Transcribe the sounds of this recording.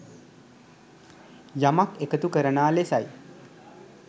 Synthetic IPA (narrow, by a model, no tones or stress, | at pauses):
jamakekət̪ukəɾənaːlesaj